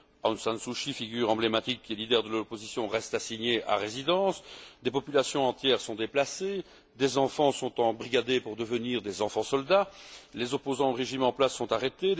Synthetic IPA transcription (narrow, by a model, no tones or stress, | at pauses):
ɑ̃nsɛ̃nsuʃifiɡʲyʁɑ̃blemat̪ikʲːiɛlid̪ɛʁd̪əlɔpozisjɔ̃ʁɛst̪asiɲeʔa̰ʁezid̪ɑ̃ːsd̪epɔpylasjɔ̃ɑ̃t̪jɛːʁsɔ̃d̪eplase | d̪ezɑ̃fɑ̃sɔ̃t̪ɑ̃bʁiɡʲad̪epuʁd̪əvəniːʁd̪ezɑ̃fɑ̃sɔld̪alezɔpozɑ̃oʁeʒimɑ̃plasːɔ̃t̪aʁet̪e